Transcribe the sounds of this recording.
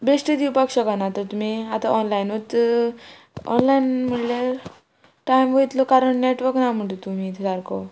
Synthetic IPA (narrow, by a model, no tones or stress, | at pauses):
besʈid̪iwpakɕəkanat̪əɾt̪um̤iat̪aʔɔnlajnɦot̪ | ɔ̰nlajnm̤əɽlaɾ | ʈajmʋəjt̪lokaɾəɳneʈʋəɾknam̤əɳʈet̪um̤it̪ʰd̪aɾko